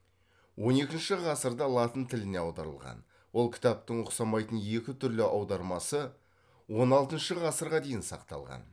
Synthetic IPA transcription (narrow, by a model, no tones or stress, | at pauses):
wo̞ne̞kʲɪnʃɪʁɑsəɾd̪ɑlˠɑt̪ənt̪ʰɪlɪne̞ɑwd̪ɑ̰ɾə̰lˠʁɑ̰n | wo̞lˠkʲʰɪ̥t̪ɑp̚t̪əɴʊqsɑmɑjt̪ənje̞kʲɪt̪ʰʏɾlɪʔɑwd̪ɑɾmɑsə | wo̞nɑlˠt̪ənʃəʁɑsəɾʁɑd̪e̞jɪnsɑ̰qt̪ɑ̰lˠʁɑ̰n